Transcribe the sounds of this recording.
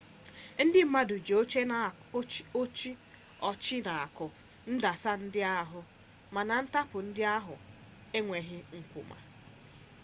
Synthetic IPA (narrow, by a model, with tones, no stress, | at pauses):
n̩˦dɪ˦m̩˦ma˦du˨d͡ʒe˨o˦t͡ʃe˦na˨˦ | o˦t͡ʃi˦ | ɔ˨t͡ʃɪ˦na˨a˨kʊ˨ | n̩˦da˨sa˦n̩˦dɪ˦a˦˨ɦʊ˦ | ma˨na˨n̩˦ta˦pʊ˨n̩˦dɪ˦a˦ɦʊ̰˨ | e˦ŋʷe˨ɦɪ˦ŋ̩˨kʷṵ˨ma̰˨